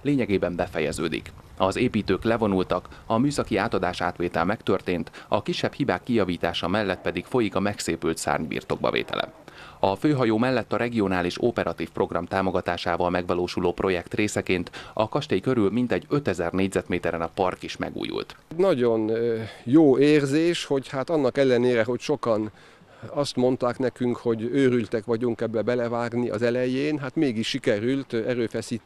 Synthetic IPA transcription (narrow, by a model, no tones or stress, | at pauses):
leːɲɛɡeːbɛmbɛfɛjɛzø̰ːd̪ḭkɒzeːpiːt̪øːklɛvo̞nult̪ɒkɒmyːsɒkiaːt̪ɒd̪aːʃa̰ːt̪ʋeːt̪ɛlmɛkt̪ørt̪eːnt̪ɒkiʃːɛphibaːkːijɒviːt̪aːʃɒmɛlːɛt̪̚pɛd̪ikfo̞jikɒmɛkseːpylt̪sa̰ːrɲbḭːrt̪o̞ɡ̚bɒ̰vḛːt̪ɛ̰lʔɛ̰ɒføːɦɒjoːmɛlːɛt̪ːɒɾɛɡio̞naːliʃopɛɾʔɒt̪iːfpro̞ɡrɒmt̪aːmo̞ɡɒt̪aːʃaːvɒlmɛɡʋɒloːʃuloːpro̞jɛkt̪reːsɛkeːnt̪ɒkɒʃt̪eːjkø̞ɾylmint̪ɛɟøt̪ɛzɛrneːɟzɛt̪meːt̪ɛɾɛnɒpɒrkiʃmɛ̰ɡṵːjṵlt̪ɟnɒɟo̞njoːeːrzeːʃho̞ɟhat̪ɒnːɒkɛlːɛneːɾɛɦo̞cʃo̞kɒn | ɒst̪mo̞nt̪aːknɛkyŋkho̞ɟøːɾylt̪ɛkʋɒɟuŋkɛbːɛbɛlɛvaːɡniʔɒ̰zɛlɛjeːnɦat̪meːɡiʃʃikɛɾylt̪ɛɾøːfɛsiːt̪